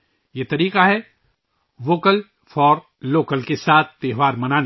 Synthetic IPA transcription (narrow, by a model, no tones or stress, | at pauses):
jet̪ɐɾiːqaɦɛ | ʋoːkəl | fɔːɾ | loːkəlkesaːt̪̚ʰt̪eːɦʋaːɾmɐnaːn